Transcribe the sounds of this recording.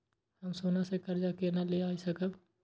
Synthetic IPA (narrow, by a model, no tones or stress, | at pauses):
hɐmsoːnasekɐɾd͡ʒakenɐleaːisɐkəb